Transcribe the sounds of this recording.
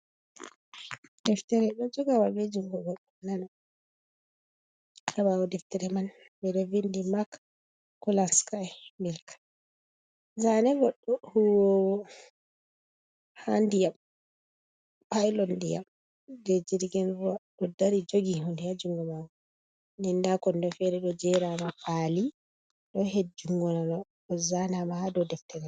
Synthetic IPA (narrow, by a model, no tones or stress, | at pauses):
d̥ɛftɛɾɛɗɔd͡ʒɔɡawabed͡ʒuŋɡɔɡɔɗːɔnana | aβawɔdɛftɛɾɛman | bɛdɛvindimak | kɔlanskajmilkʰḁ | zanɛɡɔɗːɔhuwɔwɔ | handijam | pajlɔndija̰m | dɛd͡ʒiɾɡɛnɾuaɗɔdaɾid͡ʒoɡihundijad͡ʒuŋɡɔmaɡɔ | nɛndakɔndɔfɛɾɛɗɔd͡ʒɛɾamafali | ɗɔhed͡ʒuŋɡɔnanɔ | ɔzanamahadɔdɛftʰɛɾɛ